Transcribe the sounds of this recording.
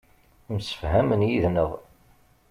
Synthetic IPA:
msə̥fhæmənjiðnəðˤ

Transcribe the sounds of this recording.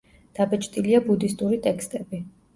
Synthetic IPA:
d̪̥abɛt͡ʃʰʼt̪ʼiliabud̪ist̪ʼuɾit̪ʼɛkʰst̪ʼɛbi

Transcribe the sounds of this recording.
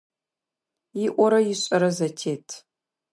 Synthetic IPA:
iʔʷʼɔɾɐjɪɕʼɐɾɐzɐtʰeːtʰ

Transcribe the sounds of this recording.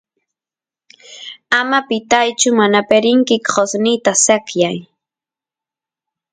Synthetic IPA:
amapɪt̪ajt͡ʃʊmanapeɾɪŋkɪkɢosnɪjt̪asakjaj

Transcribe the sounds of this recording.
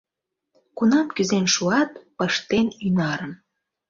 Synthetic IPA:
kunɑmkyzenʃuɑt̪pəʃt̪enynɑɾən

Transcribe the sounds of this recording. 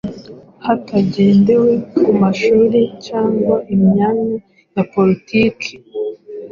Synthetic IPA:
hataɟe̞ːnde̞we̞kumaʃuːɾicaːŋɡwaʔimɲaːna | japo̞ɾitiːkʰe̥

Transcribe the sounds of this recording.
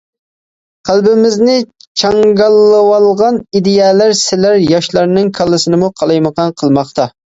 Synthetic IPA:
qʰælˠbɪmɪznɪt͡ʃʰɑŋɡɑlˠːɨwɑlˠʁɑnid̪ejɛːlæɾsɪlæɾjɑʃlˠɑɾnɨŋkʰɑlˠːɨsɨnɨmuqʰɑlˠɑjməqʰɑnqʰəlˠmɑχt̪ʰɑ

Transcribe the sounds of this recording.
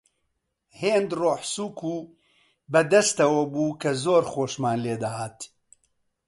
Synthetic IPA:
heːnd̪roːħsuːkuː | bɛd̪ɐst̪ɐwɐbuːkʰɐzoːɾxoːʃmaːnleːd̪ɐɦaːt̪

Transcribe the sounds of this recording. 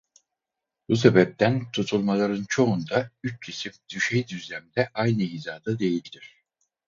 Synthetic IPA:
b̥us̬ebɛp̚t̪ʰænt̪ʰut̪ʰulˠmalˠaɾɯnt͡ʃʰo̞und̪ayt͡ʃcʰesimd̪̥yʃejd̪yzlʲæmd̪ɛʔajnɯiːzaːd̪ɯd̪e̞jilʲd̪iɾ̝̥

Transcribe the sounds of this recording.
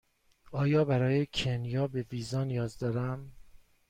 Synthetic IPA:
ɒːjɒːbæɾɒːjecʰenjɒːbe̞viːzɒːnijɒːzd̪ɒːɾæm

